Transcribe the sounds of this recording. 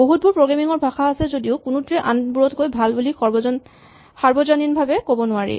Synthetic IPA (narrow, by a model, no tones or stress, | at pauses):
boɦut̚buɹpɹoɡamiŋɔɹbʱaxaːsɛzodioʊkunutɹɛʔanbuɹɔtkojbʱalbulik | xaɹbɔzɔninbʱabɛkobɔnʊaɹḭ